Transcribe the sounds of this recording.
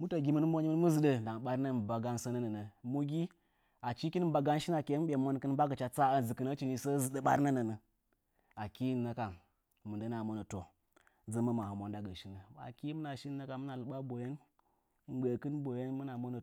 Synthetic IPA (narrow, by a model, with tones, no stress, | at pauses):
mu˦to˨ɡʲi˦mə˦n˦mo˦ɲi˦ɨ˦n˦mu˦zɨ˦ɗə˨da˨ŋ˨ɓa˦ɾnə˦˨ba˨ɡa˦nso˦nə˦nə˨nə˨mu˦ɡʲi˦ | a˨t͡ʃi˦ki˦n˦ba˨ɡa˦n˦ʃi˦na˨ke˨˦m˦ɓʲe˨mo˦nkɨ˦n˦ba˦ɡə˨t͡ʃa˨t͡sa˦a˨nzɨ˨kɨ˨nə˦t͡ʃi˨ni˦sə˦zɨ˨ɗə˨ɓa˦ɾnə˦nə˨nə˨ | a˨ki˦˨nːə˦ka˨ | mɨ˨ndə˦na˨mo˦no˨to˨ | d͡zə˦mə˦ma˨ha˨mo˨nda˦ɡə˨ʃi˦nə˨ɓa̰˨ki˦mu˦na˨ʃi˦nːə˦ka˨mu˦na˨lɨ˨ɓa˦bo˨je˦n˦ | m˦ɡə˨kɨ˦nbo˨je˦nmɨ˦na˨mo˦no˨